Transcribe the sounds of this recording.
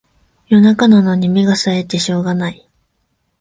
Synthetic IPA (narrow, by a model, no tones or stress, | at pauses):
jo̞nakanano̞ɲ̟imʲiɡasae̞t̪ːe̞ɕo̞ːɡanai